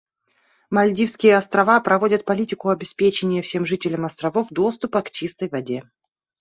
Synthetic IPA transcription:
mɐlʲdʲifskʲɪjəɐst̪ɾɐvapɾɐvo̞dʲət̪̚pɐlʲitʲɪkʊɐbʲɪspʲet͡ɕɪnʲɪjəfsʲe̞mʐɨtʲɪlʲəmɐst̪ɾɐvofd̪o̞st̪ʊpəkt͡ɕist̪əjvɐdʲe̞

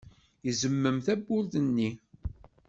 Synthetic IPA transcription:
jəzəmːəmθæbːʊlθənːi

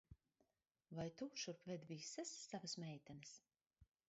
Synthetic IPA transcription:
vajt̪uʃuɾpvɛd̪visasːavasmɛjt̪ʲɛnɨs

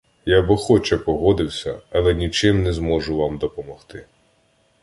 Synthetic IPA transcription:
jabɪxɔt͡ʃɛpɔɦɔd̪ɪwsʲɐɐlˠɛnʲit͡ʃɪmnɛzmɔʒʊʋɑmd̪ɔpɔmɔxt̪ɪ

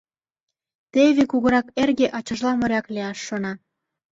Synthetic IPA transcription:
t̪eβekuɣɤ̆ɾɑkerɣeʔɑt͡ɕə̆ʒlɑmɤ̆ɾʲɑkleɑʃːonɑ

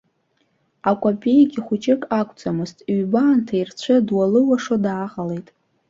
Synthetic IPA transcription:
akʷʼopʼe̞jɡʲiχʷʊt͡ʃʼɪkʼakʷʰʼt͡sʼamɨztʼɥbaːntʰairt͡ɕʷʰɨdwalɨwaʂodaːʁale̞jtʼ

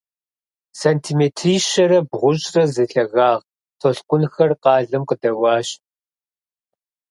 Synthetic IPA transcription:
saːntʰimetʰriːʃɐɾɐbʁʷʊɕʼrɐzɨɬɐɣaːʁ | tʰɔɬkʷʼʊnxɐrqɑːɮɐmqədɐwɑːɕ

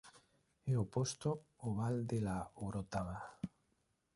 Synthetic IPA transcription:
eopost̪oːβald̪elaoɾot̪aβa

